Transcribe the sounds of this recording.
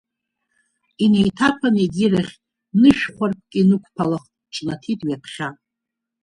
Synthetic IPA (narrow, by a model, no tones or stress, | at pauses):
ine̞jtʰapʰaneɡʲiraχʲ | nɨʃᶣχʷarp̚ʰkʲʼinɨkʷʰpʰalaχ | ʈ͡ʂʼnatʰitʼɥapʰχʲa